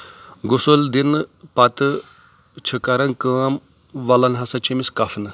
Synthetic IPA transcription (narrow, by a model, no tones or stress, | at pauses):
ɡʊsuld̪inpɐt̪ɨ | t͡ʃʰəkɐɾɐnkaːm | ʋɐlɐnɦɐsɐt͡ʃimiskɐfʰnɨ